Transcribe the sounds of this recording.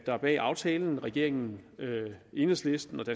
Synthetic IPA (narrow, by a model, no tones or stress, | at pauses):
d̥ɑ̈b̥ɛ̰ːɑ̈ʊt͡sʰɛːln̩ʁɛɡ̥e̝ɐ̰e̝ŋn̩øe̝nəsle̝sd̥n̩ɒ̽d̥æ